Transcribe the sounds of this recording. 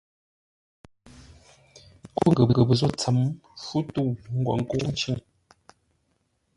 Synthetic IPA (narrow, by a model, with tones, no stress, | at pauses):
ko˦˨ŋ˨ɡə˨bə˨ə˨bə˨zo˦˨t͡sa˨˦mfu˦tu˦˨ŋ̩˦ɡwɔ̰˨ŋ̩˦ko˦n̩˦t͡ʃi˦ŋ